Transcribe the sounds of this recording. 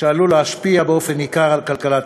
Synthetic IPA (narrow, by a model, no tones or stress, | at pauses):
alulaaʃpiabeofenikaːʁalkalkalat̪